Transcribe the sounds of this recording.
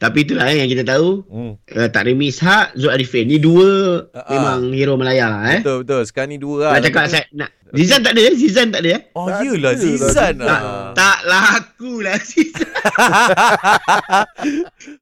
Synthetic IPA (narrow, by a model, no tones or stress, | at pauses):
t̪apiːt̪̬ulahjaŋkit̪at̪auət̪a̰ʔɾəmisɦaʔzoʔaɾifeniduəmẽmãŋhiɾoməlajalɛbət̪osə̥kaniduəlaʔt͡ʃakaʔsanaʔ | zizant̪aʔdəazizant̪aʔdəjaɔjəlaant̪aʔt̪aʔlaɦakulasiz